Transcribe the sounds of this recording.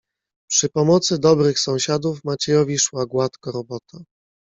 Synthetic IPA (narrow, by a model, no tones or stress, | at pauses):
pʂɘpɔmɔt̪sɘd̪ɔbɾɘxsɔ̃w̃ɕad̪ufmat͡ɕɛjɔvʲiʂwaɡwat̪kɔɾɔbɔt̪a